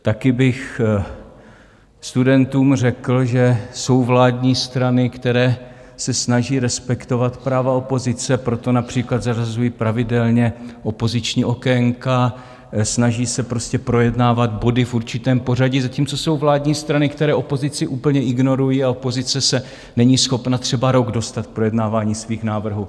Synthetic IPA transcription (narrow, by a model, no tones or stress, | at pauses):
t̪akɪbɪx | st̪udɛnt̪uːmr̝ɛkl̩ʒɛso̞wvlaːdɲiːst̪ɾanɪkt̪ɛɾɛː | sɛsnaʒiːɾɛspɛkt̪o̞vat̪pɾaːvao̞po̞zɪt͡sɛpɾo̞t̪o̞napr̥iːklad̪zarazujiːpɾavɪdɛlɲɛʔo̞po̞zɪt͡ʃɲiːʔo̞kɛŋka | snaʒiːsɛpɾoscɛpɾo̞jɛdnaːvad̪bo̞dɪfʔuɾt͡ʃɪt̪ɛːmpo̞raɟɪzaciːmt͡so̞so̞wvlaːdɲiːst̪ɾanɪkt̪ɛɾɛːʔo̞po̞zɪt͡sɪʔuːpl̩ɲɛʔɪɡno̞ɾujiːaopo̞zɪt͡sɛsɛ | nɛɲiːsxo̞pnat̪r̝̥ɛbaɾo̞ɡdo̞st̪at̪̚k̚pɾo̞jɛdnaːvaːɲiːsviːxnaːvr̩ɦuː